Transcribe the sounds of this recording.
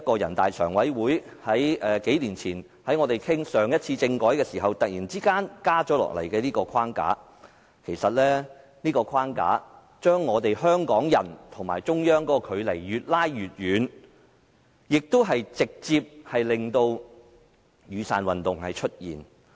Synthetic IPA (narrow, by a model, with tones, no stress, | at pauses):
kɔː˧jɐ̰˨˩nt̪a̰ː˨jsœː˨˩ŋwɐ˨˥jwuː˨˥j | hɐ˨˥jɛː˨˧ke˨˥jliː˨˩nt͡sʰiː˨˩n | hɐ˨˥jŋɔː˨˧t̪e˨jkʰɪ˥ŋsœː˨ŋjɐ˥t̚t͡sʰiː˧t͡sɪ˧ŋkɔː˨˥jkɛː˧siː˨˩ɦɐ˨wt̪ɐ˨k̚jiː˨˩nt͡siː˥kaː˥nkaː˥t͡ʃɔ˨˥lɔ̰ː˨k̚lɐ̰˨˩jkɛː˧niː˥kɔː˧kʰwaː˥ŋka̰ː˨˥ | kʰe˨˩jsɐ˨t̚lɛː˥ | niː˥kɔː˧kʰwaː˥nka̰ː˨˥ | t͡ʃœː˥ŋːɔː˨˧t̪e˨jɦœː˥ŋkɔː˨˥ŋjɐ̰˨˩nt̪ʰʊ˨˩ŋmaː˨˩jt͡sʊ˥ŋjœː˥ŋkɔː˨˥kɔː˧kʰɵ˨˧ɥlɐ˨˩jɥyː˨t̚laː˥jɥyː˨t̚jyː˨˧n | jɪ˨k̚t̪o˥wɦɐ˨jt͡sɪ˨k̚t͡siː˧p̚hɐ˨jlɪ˨ŋt̪o˧w | jyː˨˧sa̰ː˨nwɐ˨nt̪ʊ˨ŋhɐ˨jt͡ʃʰɵ˥t̚jḭː˨˩n